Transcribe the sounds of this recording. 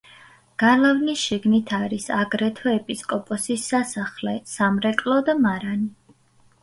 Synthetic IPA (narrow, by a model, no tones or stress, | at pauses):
ɡ̥alavnisʃiɡnit̪ʰaɾisaɡɾɛt̪ʰɔɛpʼiskʼɔpʼɔsisːasaχlɛsamɾɛkʼlˠɔd̪amaɾani